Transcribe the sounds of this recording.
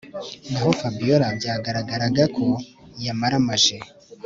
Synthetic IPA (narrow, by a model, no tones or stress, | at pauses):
ndaɦofabijoɾabjaːɡaɾaɡaɾaɡakʰojamaɾamaʒe